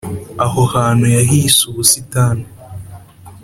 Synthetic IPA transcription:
ahohaːnojaɦiːsuβusitaːna

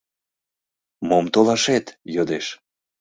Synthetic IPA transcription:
momt̪olɑʃet̪jød̪eʃ

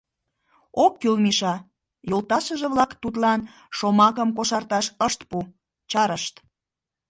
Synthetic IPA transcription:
okːylmiʃɑ | jolt̪ɑʃəʒĕβlɑkt̪ut̪lɑn | ʃomɑkəmkoʃɑrt̪ɑʃəʃt̪pu | t͡ɕɑɾəʃt̪

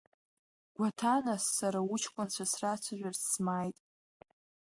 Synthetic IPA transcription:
ɡʷatʰanasːaɾaut͡ʃʰkʷʼant͡ɕʷʰasrat͡ɕʷʰaʒᶣʷarsmajtʼ

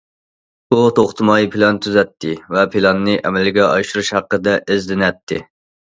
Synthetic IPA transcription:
b̥ut̪ʰoχt̪ʰɨmɑːjipʰɪlɑnt̪ʰyzɛt̪ʰːɪvɛpʰɪlɑnːɨʔɛmɛlɪɡʲɛʔɑ̰ʃuɾuʃhɑqːəd̪ɛʔɪzd̪ɪnɛt̪ʰːɪ

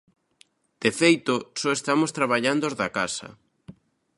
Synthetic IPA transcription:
d̪̥efejt̪osɔest̪amost̪ɾaβaʎand̪ozðakasɐ̰

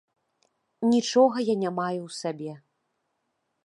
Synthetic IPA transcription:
nʲit͡ʂɔɣɐjanʲamajuwsabʲɛ

